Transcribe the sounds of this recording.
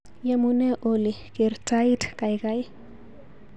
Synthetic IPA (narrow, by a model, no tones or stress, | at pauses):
jamunɛʔolikeɾtaitkajkaj